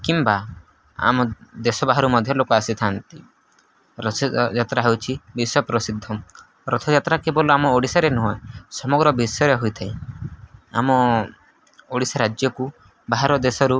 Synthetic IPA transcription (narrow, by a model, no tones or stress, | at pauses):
kimba | a̰mɔd̪esɔbaɦaɾumɔd̪ʱjɔlokɔasit̪ʰant̪i | ɾɔd͡ʒat̪ɾaɦewt͡ʃʰibiswɔpɾɔsid̪ʱːɔ | ɾɔt̪ʰɔd͡ʒat̪ɾakebɔluamɔoɽisaɾenɔɦɔesɔmɔɡɾɔbisjɔɾeɦojt̪ʰaĩ | a̰mɔ | oɽisaɾad͡ʒjɔku | baɦaɾɔd̪esɔɾu